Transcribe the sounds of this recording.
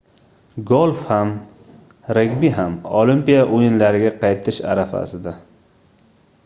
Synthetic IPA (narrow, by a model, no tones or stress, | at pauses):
ɡolˠfham | ɾekʲmiɦamolimpijaʔojɪnlaɾɪɡʲaqʰɑjt̪ʰɪʃa̰ɾafa̰sɪd̪a